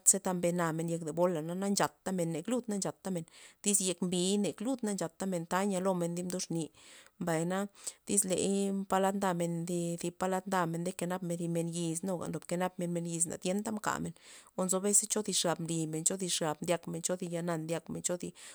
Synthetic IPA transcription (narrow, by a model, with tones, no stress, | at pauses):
t̪se˦t̪a˧mbe˧na˧me˧nje˧kd̪e˨bo˦la˨na˦na˦nt͡ʃa˨t̪ːa˦me˨nːe˨klu˦d̪na˦nt͡ʃa˨t̪ːa˦me˨nd̪̥i˦sje˧kmbi˨˧˦ne˨klu˦d̪na˦nt͡ʃa˨t̪ːa˦me˨nt̪a˦ɲa˧lo˧me˧nd̪i˦md̪u˦ʂni˧mba˨jna˦d̪̥i˦slḛ˨jmpa˧la˦d̪nd̪a˧me˧nd̪i˧d̪i˧pa˧la˦d̪nd̪a˧me˧nd̪e˦ke˧na˦pme˧ɾi˧me˧nji˧sno˧˨ɡa̰˨nd̪o˨pke˧na˦p̚me˧nme˧nji˧s̬na̰˨d̪ʲje˧˦nt̪a˦mka̰˨me˨no˧nzo˧˦be˦se˦t͡ʃo˦d̪i˧ʂɡa˨bmli˧me˨nt͡ʃo˦d̪i˧ʂɡa˨b̚md̪ja˧kme˨nt͡ʃo˦d̪i˧ja˧na˧nd̪ja˧kme˨nt͡ʃo˦d̪i˧